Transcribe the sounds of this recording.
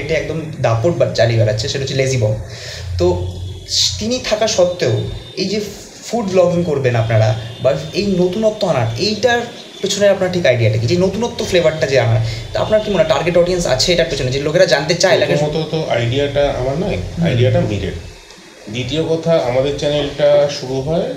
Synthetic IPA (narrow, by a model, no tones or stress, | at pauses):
eʈeɛk̚d̪omd̪apoʈ̚baʈ̚t͡ɕalibaɾatːɕʰeʃeʈaot͡ɕʰilezibɔt̪o | t̪init̪ʰakaɾʃɔt̪ːeo | ejd͡ʑe | fuɖblɔɡiŋkoɾbenapnaɾabaejnot̪unɔt̪ːoanaɾejʈaɾ | pet͡ɕʰoneapnaɾaʈʰikajɖiaʈʰaked͡ʑenot̪unɔt̪ːoflevaɾʈːad͡ʑeama̰ɾt̪oa̰pnaɾkimonaʈaɾɡeʈɔɖiensa̰t͡ɕʰeejʈaɾpet͡ɕʰoned͡ʑelokeɾad͡ʑant̪et͡ɕaelakeɔt̪ot̪oʔajɖiaʈaa̰maɾnɔja̰jɖiaʈamiɾḛʈ | d̪it̪iokɔt̪ʰaamad̪eɾt͡ɕɛnelʈaʃuɾuɦɔe